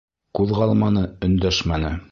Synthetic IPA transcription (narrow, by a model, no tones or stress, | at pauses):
kʉðʁɑlˠmɑnɤɵ̆nd̪æʃmænɘ